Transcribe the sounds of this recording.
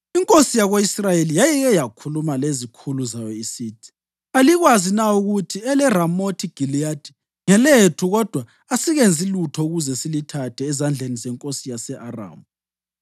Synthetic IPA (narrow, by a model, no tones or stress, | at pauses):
iŋkʼosijaɣwoisrajelijajɛɣɛjakʰulumalezikʰuluzajɔisiːtʰʼi̥ | aliɣwazinauɣutʰiɛlɛramotʰiɡ̥ʱiliad̥ʰʱʼi̥ | ŋɛletʰuɣɔd̥ʱwa | asiɣend͡zʱilutʰɔuɣuzɛsilitʰatʰɛːzand͡ɮʱenizɛŋkʼosijasɛʔara̰ːmu